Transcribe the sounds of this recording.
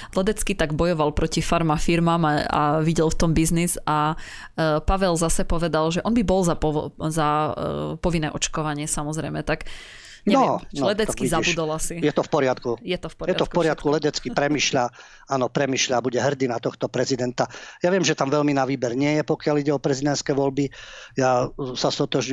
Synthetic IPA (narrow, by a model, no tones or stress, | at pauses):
lɛd̪ɛt͡skit̪aɡbɔjɔʋalpɾɔcifaɾmafiɾmaːmaa̰ʋiɟɛlft̪ɔmbizniza | paʋɛlzasɛpɔʋɛd̪alʒɛʔɔnbibɔlzapɔza | pɔʋinːɛːʔɔt͡ʃkɔʋaɲɪɛsamɔzɾɛ̰jmɛt̪ak | nɛɔnɔlɛd̪ɛt̪t͡skizaud̪ɔlasijɛt̪ɔfpɔɾɪat̪kujɛt̪ɔfpɔɾjɛt̪ɔfkpɔɾɪat̪̚kulɛd̪ɛt͡skipɾɛmiːʃʎa | anɔpɾɛmiːʃʎabuɟɛɦr̩d̪inat̪ɔxt̪ɔpɾɛzid̪ɛnt̪ajaʋɪɛmʒɛt̪amʋɛlminaʋiːbɛɾɲɪɛjɛpɔkɪaliɟɛɔpɾɛzid̪ɛnt̪skɛʋɔlbijasast̪ɔt̪ɔʒɲ